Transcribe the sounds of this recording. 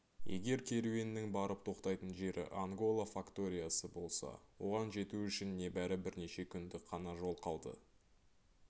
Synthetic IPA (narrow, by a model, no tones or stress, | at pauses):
je̞̰ɡʲe̞ɾkʲʰe̞ɾue̞nːɪŋbɑɾəp̚t̪ʰo̞qt̪ɑjt̪ənʒe̞ɾʔɪ̰ʔaŋɡo̞lˠafakt̪o̞ɾʲijasəbo̞lˠsɑ̰wo̞ʁɑnʒe̞t̪uʏʃɪnːe̞bæɾɪbɪɾne̞ʃe̞kʲʰʏnd̪ɪqʰɑnɑʒo̞lˠqʰɑlˠd̪ə̰